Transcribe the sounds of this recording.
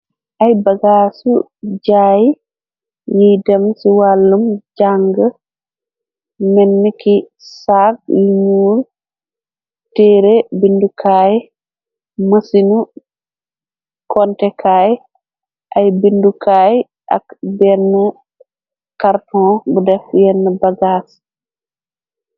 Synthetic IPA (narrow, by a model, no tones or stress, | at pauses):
ʔajbaɡaːsu | d͡ʒaːji | jidamsiwalːumd͡ʒaŋɡə | mɛnːiki | sakjiɲuːɾ | tɛɾɛbindukʰaːji | məsinu | kʰɔntɛkʰaj | ʔajbindukʰaːj | ʔa̰kbɛnə | kaɾtɔ̃ːbudɛfjɛnːəbaɡaːs